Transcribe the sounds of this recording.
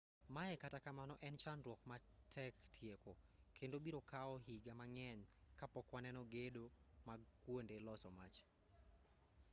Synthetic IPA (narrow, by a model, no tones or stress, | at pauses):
maɛkatakamanɔʔɛnt͡ʃanɾwɔkmatʰɛktʰjekokʰendobiɾokaɔɦiɡamaŋɛɲkapɔkwanɛnɔɡedomakwondelɔsɔmat͡ʃ